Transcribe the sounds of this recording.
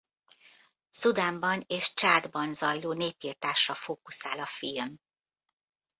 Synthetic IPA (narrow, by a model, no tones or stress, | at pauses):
sud̪aːmbɒneːʃt͡ʃaːd̪bɒnzɒjloːneːpiːrt̪aːʃːɒfoːkusaːlɒfilm